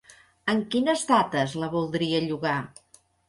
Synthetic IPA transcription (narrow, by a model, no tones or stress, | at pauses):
əŋkinəzt̪at̪əzləβulˠd̪ɾiəʎuɣa